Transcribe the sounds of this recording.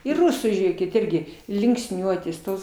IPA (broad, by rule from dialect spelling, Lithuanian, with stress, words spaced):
ɪr ˈrʊsuː ˈʒʲeːkʲɪt ˈɪrʲɡʲɪ lʲɪŋksʲˈnʲuɔtʲeːs ˈtoːs